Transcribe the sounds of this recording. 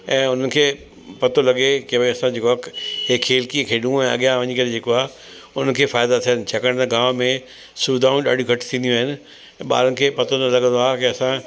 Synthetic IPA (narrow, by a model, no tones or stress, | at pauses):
ɛ̃ːʊn̤ənɪ̆kʰeː | pɐt̪olɐɡekeʋɐsãd͡ʑekɐkɦekʰːeːlkiẽkʰeːɗũɛ̃ːɐ̰ɠijãʋɐɲikɐɾed͡ʑeːkoaːɦe | ʊnənɪ̆kʰeːfaːɪd̪at̪ʰijənɪ̆t͡ɕʰɐkəɽ̃t̪ɐɡaːmmẽ | suːd̪ʱaːũɗa̰ːɖʱiũɡʱɐʈt̪ʰĩːnd̪ijũaːɦɪnɪ̆̃ | ɓa̰ːɾənɪ̆kʰeːpɐt̪ʰonɐlɐɠə̃nd̪oaːɦkɪɐsã